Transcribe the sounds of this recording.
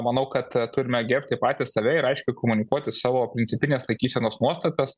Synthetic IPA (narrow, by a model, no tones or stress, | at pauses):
mɐnɐʊkɐt̪t̪ʊɾʲɪmʲɛɡʲɛɾʲpʲt̪ʲɪpɑːt̪ʲɪssɐʋʲɛɪɾɐɪʃʲkʲʊɪkoːmʊnʲɪkuɔt̪ʲɪsɑːʋoːpʲɾʲɪnʲsʲɪpʲɪnʲeɛslˠɐɪkʲiːsʲɛnoːsnuɔst̪ɐt̪ɐs